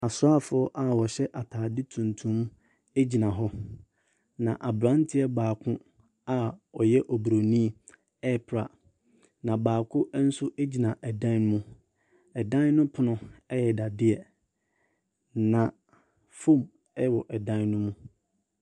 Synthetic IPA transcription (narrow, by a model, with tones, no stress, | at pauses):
a˨sʊ˦a˦fʊ˨˦ɔ˦ʔa˨wɔ˨ɕɛ˦ʔa˨tʰaː˨dɪ˦tʰũ˨ntʰũ˦m | e˦d͡ʑi˨nã˨ɦɔ˦ | nã˨ʔa˨bɾã˦n˦tʰɪ˦ɛ˦baː˨kʰʊ̃˦ | a˨ɔ˨jɛ˦ʔɔ˨bɾo˨nĩ˦˨ | ɛ˦pʰɾa̰˨ | nã˨baː˨kʰʊ˦n̩˦sʊ˦ʔe˦d͡ʑi˨nã˨ʔɛ˨dã˦n˦mũ˦ | ɛ˨dã˦n˦nʊ̃˦pʰʊ˨nʊ̃˦ɛ˦jɛ˨da˨dɪ˦ɛ˨ | nã˨ | fõ˦˨m | ɛ˦˨wɔ˨ʔɛ˨dã˦nnʊ̃˦mũ˦